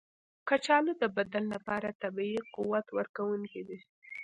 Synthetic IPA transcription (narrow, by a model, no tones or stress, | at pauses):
kat͡ʃɑlod̪əbad̪alːapɑɾat̪abiquwat̪wəɾkawuŋked̪e